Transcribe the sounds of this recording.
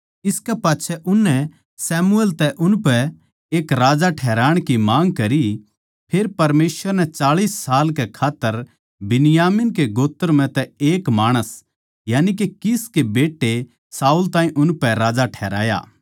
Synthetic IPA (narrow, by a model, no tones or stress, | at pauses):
ɪskɛpaːtːt͡ʃʰɛʔʊnːɛ | sɛːmuelt̪ɛʔʊnpɛ | eːkɾaːd͡ʒaʈʰɛːɾaːɽ̃kimãːŋɡkɐɾi | pʰeːɾpɐɾmeːsʋəɾnɛt͡ʃaːɭiːsːaːlkekʰaːt̪ːəɾ | bɪnɪjaːmɪnk̬eɡoːt̪ːəɾmɛ̃t̪ɛeːkmaːɽ̃əs | jaːnik̬ekɪskebeːʈːe | saːuːlt̪ãːĩʔʊnpɛɾaːd͡ʒaʈʰɛːɾa̰ːja̰ː